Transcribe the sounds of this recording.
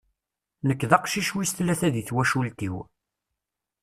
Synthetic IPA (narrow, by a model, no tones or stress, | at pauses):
nəkːðɑqʃiʃwist̪læθæðiθwæʃult̪ḭw